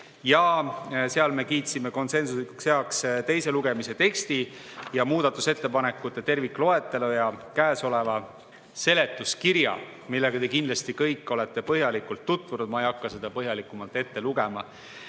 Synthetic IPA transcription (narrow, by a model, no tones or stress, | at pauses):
jɑse̞ɑlme̞kiːt̪sime̞ko̞nse̞nsusikuksheɑkst̪e̞jse̞luɡ̥e̞mise̞t̪e̞kst̪ijɑmuːd̪̥ɑt̪ːˑuse̞t̪ːe̞pɑne̞kːˑut̪ˑːe̞t̪e̞rvikːˑlo̞e̞t̪ːˑelojɑkæːso̞le̞vɑ | se̞le̞t̪ːˑuskiɾjɑ̰ | milːe̞ɡ̥ɑt̪e̞kind̪lɑst̪ikɤjkˑːo̞le̞t̪ːˑe̞pɤɦjɑlikːult̪ːut̪vunud̪̥mɑejɑkːɑse̞d̪̥ɑpɤɦjɑlikːˑumɑlt̪ːˑe̞t̪ːe̞luɡ̥e̞mɑ̰